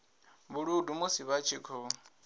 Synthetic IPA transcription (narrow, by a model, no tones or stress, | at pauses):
βuɺudumusiβat͡ʃʰikʰɔ